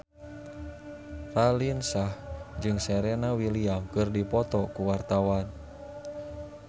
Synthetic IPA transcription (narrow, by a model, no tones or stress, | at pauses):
ralinsahd͡ʒɨŋsɛɾɛnawiliakɨrdipɔt̪ɔkuwart̪awan